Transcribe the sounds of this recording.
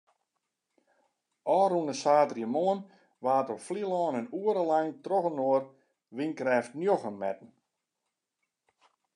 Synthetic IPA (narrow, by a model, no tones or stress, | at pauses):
ʔɔːɾunəsaːtrjəmoən | ʋaːtɔpflilɔːnənuəɾəlajŋtroɣənoər | ʋiŋkrɛːftnjoxəmːɛ̰tn̩